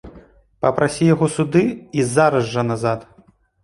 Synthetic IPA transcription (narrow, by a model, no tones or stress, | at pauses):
pɐpɾʔasʲijaɣɔsud̪ɨizaɾɐzʐɐnazat̪